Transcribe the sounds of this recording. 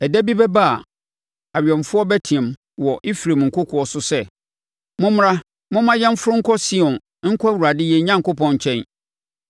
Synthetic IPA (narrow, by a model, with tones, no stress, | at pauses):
æ˨dæ˦bi˦bɛ˦ba˦a˨ | a˨ɥᶣɛ̃˨mfʊ˦ɔ˦bæ˦tʰĩ˨ɛ̃˨m | wɔ˨ʔɪ˦fi˨ɾe˨m˨ŋ̩˨kʰʊ˦kʰʊ˨ɔ˨sʊ˦sɛ˦ | mʊ̃˦m˦ɾã˦ | mʊ̃˦mã˦jɛ˦m̩˦fʊ˦ɾʊ˦ŋ̩˦kʰɔ˦si˦ɔ̃˨n | ŋ̩˦kʰɔ˦æ˦˨wu˨ɾa˨dɪ˦jɛ˦ɲã˦ŋkʊ˦pʰɔ̃˨˦ɲ˨t͡ɕʰɛ̃˦n